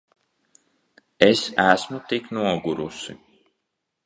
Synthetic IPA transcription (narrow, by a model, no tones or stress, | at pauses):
esæsmut̪iknuɔɡuɾusḭ